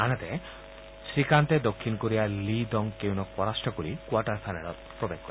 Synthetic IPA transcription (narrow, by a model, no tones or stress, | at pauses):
anet̪e | sɾikant̪ed̪okʰːinkoɾialid̪ɔŋkewnɔk̚pɔɾasʈɔkoɾikwaʈaɾpʰanalɔt̪̚pɾɔbeɡ̚kːɔɾi